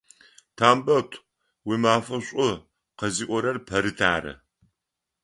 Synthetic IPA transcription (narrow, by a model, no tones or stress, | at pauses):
tʰaːmbɐtʷʰʼ | wiːmaːfɐɕʷʼʊ | qɐziːʔʷɔɾɐrpʰɐɾɨtʰaːɾɐ̰